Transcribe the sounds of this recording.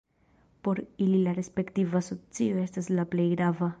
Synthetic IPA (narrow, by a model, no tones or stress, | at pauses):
poɾililarespekt̪ivasot͡sioest̪aslaplejɡɾava